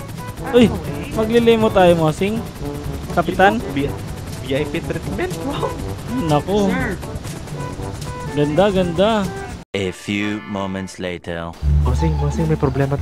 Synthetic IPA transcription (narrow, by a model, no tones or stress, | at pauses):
ʔojmɐɡlɪlɪmot̪aːjomasɪŋ | kɐpɪt̪an | biajpit̪ɾɪt̪mɛnt̪monako | ɡɐnd̪aɡɐnd̪aʔefjumomɛ̃nt̪sleɪt̪ʰɛ̰˞masɪŋmasɪŋmɐjpɾoblɛma